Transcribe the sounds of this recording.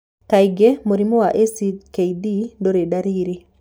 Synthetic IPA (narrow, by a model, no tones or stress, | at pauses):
kaɪɡemoɾimowaʔesikeidindoɾedaɾiɾi